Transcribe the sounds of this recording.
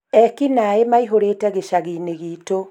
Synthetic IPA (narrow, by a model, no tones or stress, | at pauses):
ɛkinaemaiɦoɾeːtɛɣeʃaɣineɣito